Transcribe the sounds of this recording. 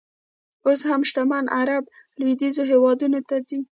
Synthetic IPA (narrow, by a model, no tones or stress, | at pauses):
oshamʃt̪amanʔaɾab | lwid̪izoɦewɑd̪unot̪ad͡zi